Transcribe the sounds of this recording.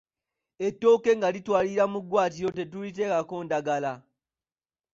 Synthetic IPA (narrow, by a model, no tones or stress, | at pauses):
etːo̞ːke̞ŋɡalitwaːliɾamuɡwaːt̬iɾo̞te̞tulit̬e̞kako̞ːndaɡala